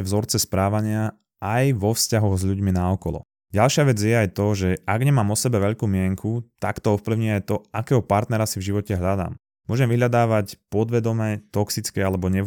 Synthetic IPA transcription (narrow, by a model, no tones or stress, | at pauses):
vzɔɾt͡sɛspɾaːʋaɲɪa | ajʋɔfscaɦɔɣzʎuɟminaɔkɔlɔ̰ | ɟalʃɪaʋɛd͡zjɛajt̪ɔʒɛʔaɡɲɛmaːmɔsɛbɛʋɛʎkuːmɪɛŋkʰut̪a̰kt̪ɔɔfpliʊɲiajt̪ɔʔakɛːɦɔpaɾt̪nɛɾasivʒiʋɔcɛɦʎad̪a̰ːm | mːʊɔʒɛmʋiɦʎad̪aːʋacpɔd̪ʋɛd̪ɔmɛːt̪ɔksit͡skɛalɛbɔɲɛ